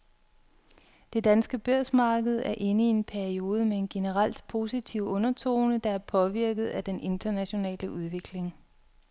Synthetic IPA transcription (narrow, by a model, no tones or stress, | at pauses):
d̥e̝d̥ænsɡ̥əb̥øɐ̰smɑ̈ːɡ̥əð̞̩ˠæɐʔe̝nəie̝npʰæɐio̝ːð̞ˠəmeenɡ̥e̝nəʁɑl̰d̥pʰo̝ːsit͡sʰiʊ̰ɔ̽nɐt͡sʰo̰ːnəd̥ɑ̈æɐpʰɒ̽ʋiɐ̰ɡ̥ð̩ˠæd̥enʔe̝nd̥ɐnæɕo̝nɛ̰ːləʔuð̞ˠʋe̝ɡ̥le̝ŋ